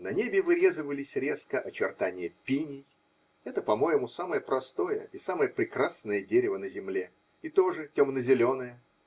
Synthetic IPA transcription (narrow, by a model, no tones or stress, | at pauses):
nɐnʲebʲɪvɨɾʲe̞zɨvəlʲɪsʲɾʲe̞skəʔɐt͡ɕɪrt̪anʲɪjəpʲinʲɪj | ɛt̪əpɐmo̞jɪmusaməjəpɾɐst̪o̞jə̰ʔisaməjəpɾʲɪkrasnəjədʲeɾʲɪvənəzʲɪmlʲe | ɪt̪o̞ʐɨtʲomnəzʲɪlʲo̞nəjə